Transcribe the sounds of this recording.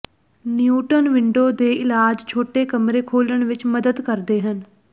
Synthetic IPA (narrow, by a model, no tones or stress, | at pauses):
njuːʈənʋɪɳɖoːd̪eːɪlaːd͡ʒt͡ʃʰoːʈeːkəmɾeːkʰoːləɳʋɪt͡ʃməd̪əd̪kəɾd̪eːɦən